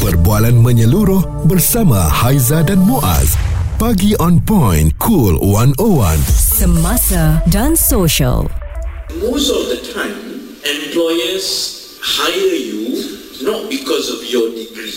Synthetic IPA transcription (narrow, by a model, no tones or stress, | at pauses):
pərbualanmə̃ɲəluɾʊh | bərsama̰hajzadanmoʔa̰zpaɡiʔɔ̃npɔ̃jnkʰulwãnowã̰nsəmasadãnsoʃə̰l | mostɔfd̪ətʰãɪ̃m | ɛ̃mplɔjəs | hajəju | nɔt̚bikʰɔsɔfjɔdiɡɹi